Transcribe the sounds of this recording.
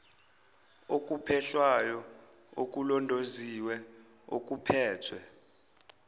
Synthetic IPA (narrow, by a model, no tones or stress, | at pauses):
ok̬ʼupʰɛɬwajɔ | ok̬ʼulɔndʱoziwɛ | ok̬ʼupʰɛːtʰwɛ